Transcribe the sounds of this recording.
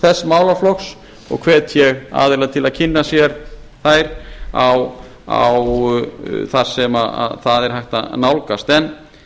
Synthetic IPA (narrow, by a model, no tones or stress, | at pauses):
θɛsːmaːwlaflɔxs | ɔ̰ɣkʰv̥ɛːt̪jɛɣa̰ːðɪlaðt̪ʰɪlaðcʰɪnːasjɛɾ | θajɾaw | a̰w | θaɾ̥sɛmaa̰ðθaðɛɾ̥ɦajht̪a̰nawlkast̪ɛn